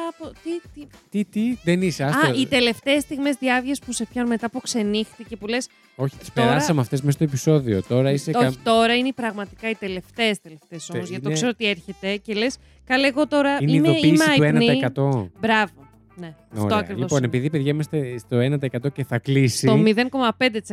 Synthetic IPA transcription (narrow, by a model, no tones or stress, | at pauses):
pot̪it̪it̪it̪iðeniseɐɐit̪e̞le̞ft̪e̞ːst̪iɣme̞zðiɐvʝespuse̞pçɐnume̞t̪ɐpukse̞nixθice̞pule̞s | o̞çi̥t̪i̥st̪oeɾɐɾɐsɐmeɐft̪e̞smesot̪episo̞ðiot̪o̞ɾɐiseoi̥t̪o̞ɾɐineipɾɐɣmɐt̪i̥kɐit̪e̞le̞ft̪e̞ːst̪e̞le̞ft̪eso̞mozʝɐt̪okse̞ɾot̪ie̞ɾçe̞t̪e̞ce̞le̞s | kɐleɣo̞t̪o̞ɾɐiniimeoimsɐenɐniɐekɐt̪o̞bɾɐvo̞ | ne̞ɐofɾtoɐkɾivliosponepiðipeðʝɐimɐst̪est̪oenɐt̪̬ɐekɐt̪o̞ceθɐklisit̪omiðe̞ŋko̞mɐpe̞nd̪et̪is